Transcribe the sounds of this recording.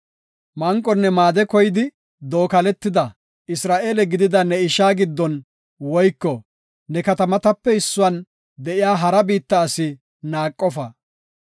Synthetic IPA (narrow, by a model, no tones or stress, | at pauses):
mɐŋkʼːɔnːɛmaːd̪ɛkɔjɪd̪ɪ | d̪oːkɐlɛt̪ːɪd̪ɐ | ɪsɾaːʔe̞ːlɛɡɪd̪ɪd̪ɐnɛɪʃaːɡɪd̪ːɔn | wɔjkːɔ | nɛkɐt̪ɐmɐt̪ɐpːɛɪsːʊwɐn | d̪ɛʔɪjaːɦɐɾɐbiːt̪ːɐːsɪ | naːkʼːɔfɐ